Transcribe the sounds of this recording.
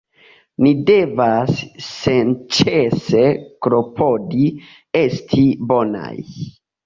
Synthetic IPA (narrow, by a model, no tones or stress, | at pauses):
nide̞vasːent͡ʃese̞kɾo̞pʰo̞di | e̞stʰibo̞na̰j